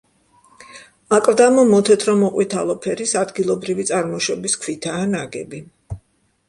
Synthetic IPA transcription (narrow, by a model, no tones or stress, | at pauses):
akʼvd̪amɔmɔt̪ʰɛt̪ʰɾɔmɔqʼwit̪ʰalˠɔpʰɛɾisad̪ɡilˠɔbɾivit̪sʼaɾmɔʃɔbiskʰwit̪ʰaːnaɡɛ̰bi